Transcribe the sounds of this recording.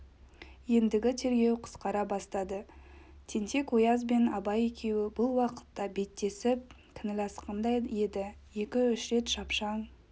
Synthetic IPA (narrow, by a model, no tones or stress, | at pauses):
je̞nd̪ɪɡʲɪt̪ʰe̞ɾɡʲe̞wqʰə̥sqɑɾɑbɑst̪ɑd̪ət̪ʰe̞nt̪e̞kʰojɑzbe̞nɑbɑje̞kʲʰe̞wɪbʊlˠwɑqə̥t̪ːɑbe̞t̪ːe̞sɪp̚ | kʲʰɪnɪlɑsqənd̪ɑjed̪ɪje̞kʲɪʏʃɾe̞t̪ʃɑpʃɑɴ